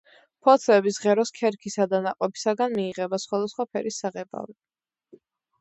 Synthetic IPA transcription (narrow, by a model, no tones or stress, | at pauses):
pʰɔt̪sʰɛbisʁɛɾɔskʰɛɾkʰisad̪anaqʼwɔpi̥saɡanmiːʁɛbasχwad̪asχwapʰɛɾisːaʁɛba̰vi